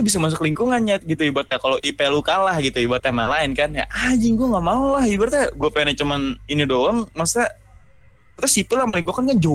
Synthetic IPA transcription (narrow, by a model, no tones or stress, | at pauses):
abis̬amas̬ʊkliŋkuŋanɲat̪̚ɡit̪uibat̪̚jakaloʔipelukalahɡit̪uibat̪amalaɪnkanja̰ʔad͡ʒiŋɡuaŋɡamaulahibart̪ɛɡuapeanat͡ʃəmaninidoaŋmasa | brt̪asipɪlahməliŋkukankand͡ʒo